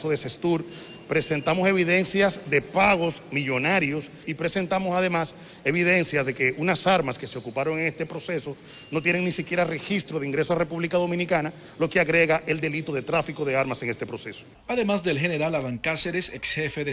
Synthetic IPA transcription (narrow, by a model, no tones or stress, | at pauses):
soðe̞se̞st̪uɾ | pɾe̞se̞nt̪amo̞se̞β̞iðe̞nsjasd̪e̞paɣo̞smiʝo̞naɾjo̞s | ipɾe̞se̞nt̪amo̞saðe̞mas | e̞βiðe̞nsjazðe̞ke̞ʔunasaɾmaske̞se̞o̞kupaɾo̞ŋeŋe̞st̪e̞pɾo̞se̞so | no̞t̪je̞ne̞ŋnisikje̞ɾare̞xist̪ɾo̞ðeiŋɡɾe̞soarepuβlikaðo̞mĩnikana | lo̞keaɣɾe̞ɣaʔe̞ld̪e̞lit̪o̞ðe̞t̪ɾafiko̞ðe̞aɾmase̞ŋe̞st̪e̞pɾo̞se̞so̥ | aðemazd̪elxeneɾalaðaŋkaseɾesekshefeðe